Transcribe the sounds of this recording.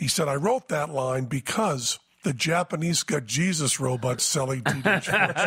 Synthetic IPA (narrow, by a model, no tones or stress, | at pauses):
hisɛɾaɪɹoʊt̪̚ðɨtˡlãɪ̃nbɨkʰʌz | ðɨd͡ʒæpɨnizɡɑt̚d̥ʒ̥izɨsɹoʊbɑtsɛlˠĩtʰɨdɨt͡ʃ